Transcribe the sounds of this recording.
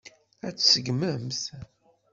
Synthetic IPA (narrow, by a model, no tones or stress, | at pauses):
æt͡sːsəɡməmθ